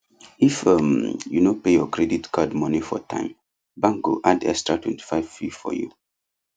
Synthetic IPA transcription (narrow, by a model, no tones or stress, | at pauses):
ifəmjunopejɔkɹɛditkʰadmɔnifɔ̰tʰã̰ɪ̃m | bãŋɡo̰ʔadɛ̰kstɹatwɛ̰̃nti̥faɪv̥fifɔ̰jṵ